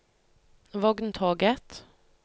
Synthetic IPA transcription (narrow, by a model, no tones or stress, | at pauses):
ʋɔɡnt̪ʰoːɡət̪